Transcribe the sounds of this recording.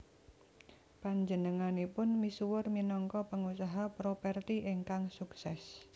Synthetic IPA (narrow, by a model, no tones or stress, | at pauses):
paɲd͡ʒənəŋanipʊnmisuwʊrminɔŋkɔpəŋusaɦapɾopɛrt̪iʔeŋkaŋsuksɛs